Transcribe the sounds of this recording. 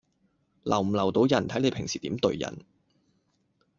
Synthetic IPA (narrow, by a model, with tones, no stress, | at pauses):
lɐ˨˩wm̩˨˩lɐ˨˩wt̪o˨˧wjɐ˨˩nt̪ʰɐ˨˥jne˨˧pʰɪ˨˩ŋsiː˨t̪iː˨˥mt̪ɵ̰˧ɥjɐ̰˨˩n